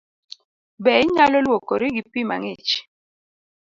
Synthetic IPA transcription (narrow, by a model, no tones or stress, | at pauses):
bɛɪɲalɔlwokoɾɪɡipima̰ŋɪt͡ʃ